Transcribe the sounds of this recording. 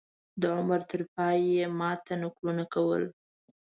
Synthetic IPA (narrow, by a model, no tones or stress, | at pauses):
d̪əʕʊmaɾt̪əɾpɑjemɑt̪anʊklunakawə̰l